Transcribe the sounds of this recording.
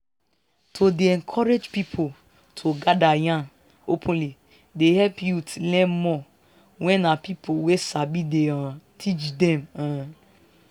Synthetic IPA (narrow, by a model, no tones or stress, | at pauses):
tʰodeɛ̃ŋkʰɔɾed͡ʒpipʰo | tʰoɡadajãn | opʰũli | deɦɛlpjutlɛ̃mmɔ | wɛ̃napipʰowesabideatʰit͡ʃdɛma